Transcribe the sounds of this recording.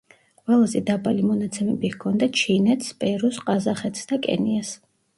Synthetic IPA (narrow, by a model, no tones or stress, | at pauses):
qʼwɛlˠazɛd̪abalimɔnat̪sʰɛmɛbihkʰɔnd̪at͡ʃʰinɛt̪ʰspʼɛɾusqʼazaχɛt̪ʰsd̪akʼɛ̰nias